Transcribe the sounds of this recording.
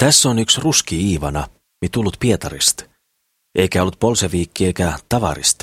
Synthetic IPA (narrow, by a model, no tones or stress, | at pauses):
t̪æsːonyksruskiiːʋɑnɑ | mit̪ulːut̪pie̞t̪ɑɾist̪ | ʔe̞jkæolːut̪̚po̞lseʋiːkːie̞jkæt̪ɑʋɑ̰ɾḭst̪